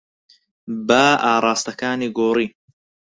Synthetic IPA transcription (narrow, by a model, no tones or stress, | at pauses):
baʔaːɾˤɑːst̪ɐkaːniːɡoːɾiː